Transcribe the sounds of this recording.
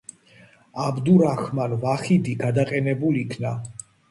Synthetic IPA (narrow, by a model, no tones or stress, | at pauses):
abd̪uɾaxmanvaχid̪iɡad̪aqʼɛnɛbuliikʰna